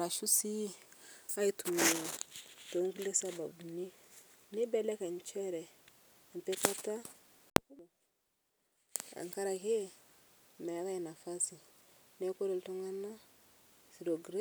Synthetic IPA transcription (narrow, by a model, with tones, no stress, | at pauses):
ɾa˨ʃu˦si˦a˦i˦tu˨ma˨to˨ŋ˦ɡu˦le˦sa˦ba˨bu˨ne˦ | ne˦bɛ˦lɛ˦ka˨n˨t͡ʃɛ˦ɾɛ˨ | m˨pɛ˦ka˦ta˦ | m˨ | a̰˨ŋ˨ka˦ɾa˨ke˦˨ | mɛ˨˦βa˦jɛ˨na˨fa˦si˨ | nɛ˦ko˦ɾo˨lto˦ŋa˦na˦ | si˨ɾo˨ɡɾe˦